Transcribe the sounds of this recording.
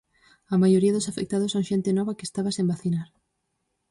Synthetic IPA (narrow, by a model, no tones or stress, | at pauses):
ɐmajoɾiaðʊsafek̚t̪aðosaw̃ʃent̪enɔβakest̪aβasembaθinaɾ